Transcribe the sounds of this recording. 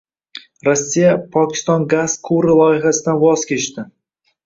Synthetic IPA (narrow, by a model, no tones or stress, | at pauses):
ɾosːijapʰɒkʲʰɪ̥st̪ɒnɡaz̥qʰuɾɪlˠɒɪɦasɪd̪anvɒz̥kʲʰe̞t͡ʃt̪ɪ